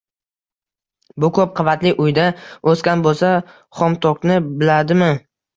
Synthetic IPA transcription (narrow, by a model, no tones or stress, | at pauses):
bʊkʰop̚qʰɨvat̪lɪʔʊjd̪aoskʲanbolˠsa | χɒmt̪ʰɒknɪbɪlad̪ɪmɪ